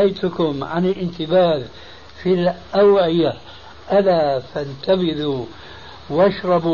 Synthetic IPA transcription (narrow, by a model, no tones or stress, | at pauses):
ʔajt̪ʊkʊmʕanɪlʔɪnt̪ɪbaːð | filʔawʕɪja | ʔalaːfant̪abɪðu | wʔaʃɾˤɑbu